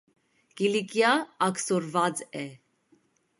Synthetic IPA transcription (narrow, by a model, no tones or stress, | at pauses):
kilikjaːksɔɾvad͡zɛ